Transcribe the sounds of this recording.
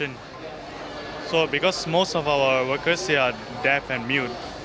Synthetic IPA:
ə̃n | sobɪkɔsmoːstɔfaʊəʋəkəɾsd̪ea | ɖæpɛ̃nɖmjuːt̪

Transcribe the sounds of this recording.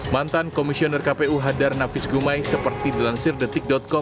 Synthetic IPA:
mant̪ankɔmisiɔnərkapeuɦadarnafɪsɡumajsəpərt̪idəlansɪrdət̪ɪk̚dɔt̪̚kɔ

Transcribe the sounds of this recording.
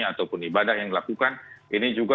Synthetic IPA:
at̪awpʊnibadahjaŋdilakukanʔinid͡ʒuɡa

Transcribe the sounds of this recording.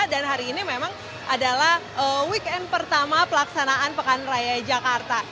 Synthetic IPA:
danɦaɾiːnimemaŋ | ʔadalah | əwikɛn̚pərt̪amapəlaksanaʔanpəkanrajad͡ʒakart̪a

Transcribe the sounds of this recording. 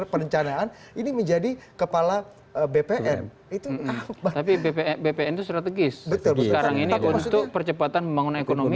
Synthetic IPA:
pəɾəɲt͡ʃanaan | iniməɲd͡ʒadikəpala | əbepeʔɛn | it̪uabat̪apibepeɛbepeɛnt̪ust̪ɾat̪əɡɪsbət̪ʊlbsəkaɾaŋiniʔumt̪ʊk̚pərt͡ʃəpat̪anməmbaŋunanekonomi

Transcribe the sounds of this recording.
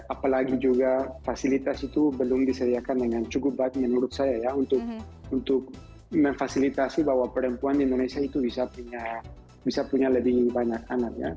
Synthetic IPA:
apalaɡid͡ʒuɣafasilit̪asit̪ubelumd̪iseɾiakaneŋɡant͡ʃukubak̪menuɾut̪sajajaunt̪uk | unt̪uk | menfasilit̪asiβawapeɾempuand̪ind̪unajsait̪uβisapuɲa | bisapuɲaleβiβaɲakanakja̰

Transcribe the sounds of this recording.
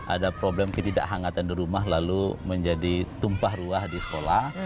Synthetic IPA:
ʔa̰dapɾoblɛmkət̪ida̰ʔɦaŋat̪andiɾumaɦlaluməɲd͡ʒadit̪umpahruahdisə̥kolah

